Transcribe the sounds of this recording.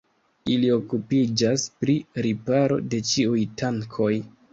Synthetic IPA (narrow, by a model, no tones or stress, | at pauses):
ilio̞kupid͡ʒaspɾiɾipaɾo̞̰de̞t͡ʃiujtaŋkʰo̞j